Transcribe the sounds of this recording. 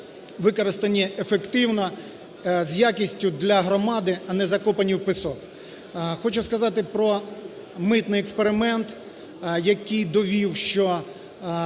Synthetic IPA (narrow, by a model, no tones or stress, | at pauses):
ʋɪkɔɾɪst̪ɐnʲːɛʔefekt̪ɪwnɐ | zʲjakʲisʲtʲʊd̪lʲɐɦɾɔmɑd̪ɪɐnɛzɐkɔpɐnʲːiwpɪsɔk | xɔt͡ʃʊskɐzɑt̪ɪpɾɔ | mɪt̪nɪjɛkspeɾɪmɛnt̪ | jɐkɨjd̪ɔʋʲiwʃt͡ʃɔ